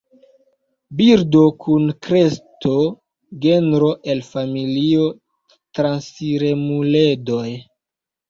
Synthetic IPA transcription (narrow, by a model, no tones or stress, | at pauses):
biɾdo̞kʰunkɾe̞sto | ɡenɾo̞ʔe̞lfamilio̞ | tɾansiɾemule̞do̞j